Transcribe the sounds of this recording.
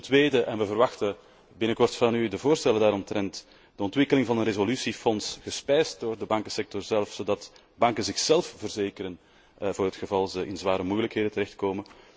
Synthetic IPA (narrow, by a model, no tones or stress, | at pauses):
təntʋeːdəʔɛnʋəvərʋɑxtə | bɪnəkɔrtfɑnydəvoːrstɛləndaːɾɔmtɾɛnt | d̥əɔntwɪkəlɪŋvɑnənrezolysifɔnsɣəspɛjst̚doːrdəbɑŋkəsɛk̚tɔrzɛlˠfsoːdɑt | bɑŋkənzɪxsɛlˠfv̥ərzeːkəɾən | vʊːɾɦətxəvɑlˠzəɪnzʋaːɾəmujələkɦeːdətəɾɛxt̚koːmən